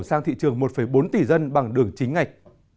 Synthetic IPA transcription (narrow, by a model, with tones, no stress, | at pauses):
saː˧ŋt̪ʰḭ˧˨t͡ɕɨ˨˩əŋmo˨˩t̚fə˧˩jɓo˨˦nt̪i˨˩zə˧nɓa˨˩ŋɗɨ˨˩əŋt͡ɕï˨˦ŋ̟ŋa˨˩jk̟̚